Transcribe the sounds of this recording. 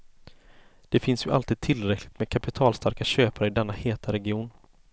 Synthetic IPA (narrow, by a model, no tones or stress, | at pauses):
d̪̥ɛfɪnsjɵʔa̰lt̪iːd̪̚t̪ʰɪlɾɛkʰlɪt̪mɛːkʰapɪt̪ʰɑːlst̪ʰaɾkaɕøːpaɾəɪd̪ɛnːaheːt̪ʰaɾɛɡɪuːn